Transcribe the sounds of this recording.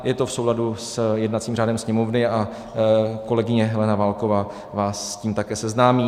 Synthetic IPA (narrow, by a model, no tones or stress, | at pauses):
jɛt̪o̞fsowladusjɛdnat̪t͡siːmraːdɛmsɲɛmo̞vnɪa | ko̞lɛɡɪɲɛɦɛlɛnavaːlkovaː | vaːsːciːmt̪akɛːsɛznaːmiː